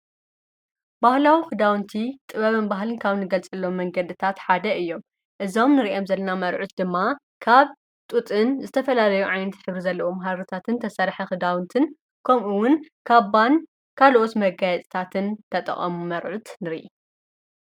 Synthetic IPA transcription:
bahlawixɨd̪awnt̪ʰit̪ʼɨβɐβɨnbaɦlɨnkʰaβnɨɡɐlt͡sʼɨlːo̞mːɐŋɡɐd̪ɨt̪ʰat̪ħad̪ɐʔɨjːo̞m | ʔɨzo̞mnɨɾiʔomzɐlːɐnamɐɾʕut̪̚d̪ɨmːa | kʰaβ | t̪ʼut̪ʼɨnzɨt̪ʰɐfɐlalɐjuʕajnɐt̪ħɨβɾizɐlːɐʔomɦaɾɨt̪ʰat̪ʰɨnt̪ʰɐsɐɾħɐxɨd̪awnt̪ʰɨn | kʰomʔuwʊnkʰaβːan | kʰalʔo̞t̪mɐɡajɛt͡s̪ʼt̪ʰat̪ʰɨnt̪ʰɐt̪ʼɐ̰χʼɐ̰mumɐɾʕut̪nɨɾiʔḭ

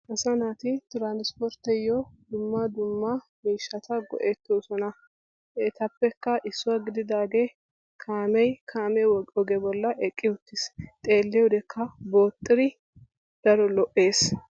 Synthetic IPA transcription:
ʔɐsɐnaːt̪ɪt̪ɾaːnɪspɔɾt̪ːɛjːɔd̪ʊmːɐd̪ʊmːɐ | miːʃːɐt̪ɐɡɔ̰ʔeːt̪ːoːsɔnɐ | et̪ɐpːɛkːɐʔɪsːʊwaɡɪd̪ɪd̪aːɡe | kʰaːmɛjkʰaːmɛɔɡɛbɔlːɐʔɛkʼːɪʊt̪ːɪst̪ʼe̞ːlːɛʊd̪ɛkʰːɐboːt̪ʼːɪɾɪ | d̪̥ɐɾɔlɔʔe̞ːs

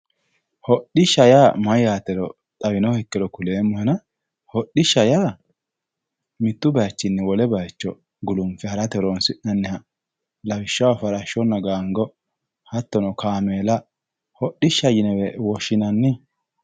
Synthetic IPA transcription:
hɔɗɪʃɐjaːmɐjaːt̪ɛɾɔ | t̪ʼɐwɪnɔhɛkːɛɾɔkʊleːmːɔhɛnɐ | hɔɗɪʃːɐjaː | mɪt̪ːʊbɐjt͡ʃːɪnːɛwɔlɛbɐjt͡ʃːɔ | ɡʊlʊmfɛhɐɾɐt̪ɛɾoːnsɪʔnɐnːɛhɐ | lɐwɪʃːɐwafɐɾɐʃɔnːɐɡaːŋɡɔ | hɐt̪ːɔnɔkaːmeːlɐ | hɔɗɪʃːɐjɪnɛwɛwɔʃːɪnɐnːɪ

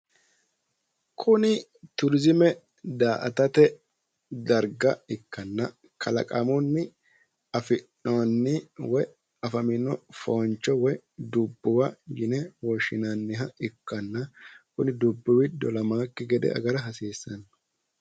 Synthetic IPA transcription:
kʰʊnɪ | t̪ʊɾzɪmɛ | d̪aːʔɐ̰t̪ɐt̪ɛ | d̪ɐɾɡɐɪkːɐnːɐ | kʰɐlɐ̰kʼɐmɔnːɪ | ɐfɪnonːɪwɔj | ɐfɐmɪnːɔfɔnt͡ʃːɔwɔj | d̪ʊbːʊwɐjɪnɛwɔʃɪnanːɪɦɐɪkːɐnːɐkʊnɪd̪ʊbːʊwɪd̪ɔlɐmaːkːɛɡɛd̪ɛ̰ɐ̰ɡɐɾɐɦɐsiːsːɐn

